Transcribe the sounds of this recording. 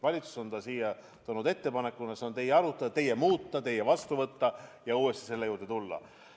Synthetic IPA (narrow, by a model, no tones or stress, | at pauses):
vɑlʲit̪su̥sond̪ɑsiːjɑ | t̪onud̪e̞t̪ːe̞pɑne̞kːˑuneso̞nt̪e̞jeɑɾut̪ːˑɑd̪t̪e̞jemuːt̪ːɑt̪e̞jevɑst̪uvɤt̪ːɑjɑuːe̞st̪i̥se̞lːe̞juːrd̪et̪ulːɑ̰